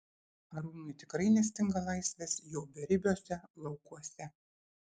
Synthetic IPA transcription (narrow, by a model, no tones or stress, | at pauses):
ɐɾuːnʊɪt̪ʲɪkɾɐɪnʲɛsʲt̪ʲɪŋɡɐlˠɐɪsʲʋʲɛsjoːbʲɛɾʲɪbʲoːsʲɛlˠɒʊkuɔsʲɛ